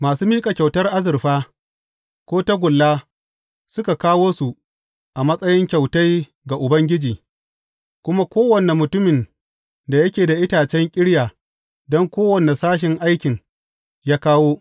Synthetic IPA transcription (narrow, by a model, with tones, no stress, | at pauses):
maː˨suː˦miː˦kʼa˨kʲa˨wtɐ˦rʔa˦zɪ˨rɸaː˦ | kʷoː˦ta˦ɡʷʊ˨lːaː˦ | sʊ˦ka˨kaː˦woː˦su˨ | ʔa˨mɐ˦sʼɐ˦jɪ˦ŋkʲa˨wta˦j | ɡa˨ʔʊ˨bɐ˦ŋɡʲɪ˦d͡ʒiː˨ | kʷʊ˦ma˦kʷoː˦wɐ˨ne˨mʊ˨tʊ˦mɪ˨n | da˨jɐ˦kʲeː˨da˨ʔɪ˦taː˨t͡ʃɛ˦ŋkʲʼɪ˦ɽjaː˨ | dɔ˦ŋkʷoː˦wɐ˨ne˨saː˦ʃ̬ɪ˨ŋʔa˦jkʲɪ˨ŋ | jaː˦kaː˦woː˦